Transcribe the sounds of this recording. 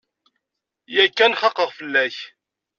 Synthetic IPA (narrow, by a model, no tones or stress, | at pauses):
jækːænχɑqːəʁfəlːæç